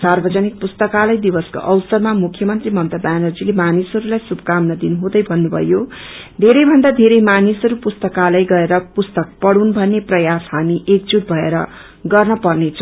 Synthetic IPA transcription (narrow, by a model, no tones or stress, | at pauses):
sarbʌd͡zʌnik̚pust̪ʌkalʌjd̪ibʌsko̰ʔʌwsʌrmamukʰjʌmʌnt̪rimʌnt̪ʌb̪anʌrd͡zilemanisʌɾulajsubkamnʌd̪inuɦõd̪ʌjbʱʌnːubʱʌ̰jo | d̪ʱeɾʌjbʱʌnd̪ad̪ʱeɾʌjmanisʌɾupust̪ʌkalajɡʌeɾʌpust̪ʌk̚pʌɽunbʱʌnːeprʌjasɦamiʔek̚d͡zuʈ̪̚bʱʌeɾʌ | ɡʌrnʌpʌrnet͡sʰ